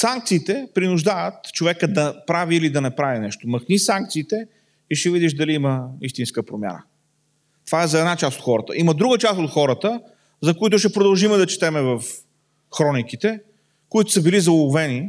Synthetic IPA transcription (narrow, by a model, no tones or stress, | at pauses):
saŋk̚t̪siːt̪ɛpɾinʊuʒd̪avət̪t͡ʃovɛkəd̪ɐpɾaviːlid̪ɐnɛpɾavinɛʃt̪omɐxnisaŋk̚t̪siːt̪ɛ | iʃɛvid̪iʃd̪ɐliiməist̪inskəpɾomʲja̰nə̰ | t̪ovaɛzɐɛd̪nat͡ʃast̪o̥t̪xɔɾət̪ə̰iməd̪ɾuɡət͡ʃast̪ot̪xɔɾət̪ə | zɐkoit̪ʊʃ̬ɛpɾod̪ɐlˠʒimɛd̪ɐt͡ʃɛ̥t̪ɛmɛvɐf | xɾɔnikit̪ɛ | koʊit̪ʊ̥səbilizɐʊlˠovɛni